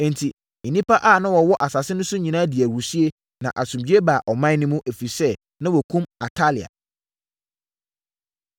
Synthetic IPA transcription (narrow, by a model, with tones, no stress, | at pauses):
ɛ̃˨ntʰĩ˨ | nĩ˦pʰa˦ʔaː˦˨nã˦wɔ˨wɔ˦ʔa˨sa˨sɪ˦nʊ̃˦sʊ˦ɲĩ˨nã˦di˨æ˨wu˨si˦e˦ | nã˨ʔa˨sũ˨md͡ʑi˦e˦ba˨ʔɔ˨mã˦nɪ̃˦mũ˦ʔæ˨fi˨sɛ˦ | nã˦wɔ˨kʰũ˦ma˨tʰa˦li˨a̰˨